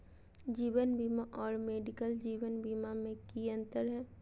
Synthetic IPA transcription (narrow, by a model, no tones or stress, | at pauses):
d͡ʒiːwənbiːmaʔɔːɾmeːɖɪkəld͡ʒiːʋənbiːmamẽkiə̃nt̪əɾɦɛ̃ː